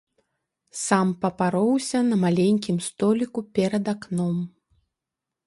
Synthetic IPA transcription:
sampɐpaɾɔwsʲɐnɐmalʲenʲkʲimst̪ɔlʲikupʲɛɾɐd̪aknɔm

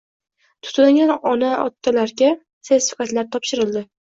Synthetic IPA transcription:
t̪ʰʊ̥t̪ʰlaɡʲanɒnaɒ̰t̪ʰːalaɾɡʲa | sezsʊ̥kat̪laɾt̪ʰɒpʃɪɾɪld̪ɪ

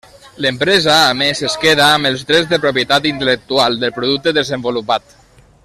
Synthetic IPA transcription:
ləmpɾɛzəːmezeskeðaːməlˠzd̪ɾezðəpɾupjət̪at̪int̪ələk̚t̪ualˠd̪əlˠpɾuðuk̚t̪əðəzəmbulupat̪

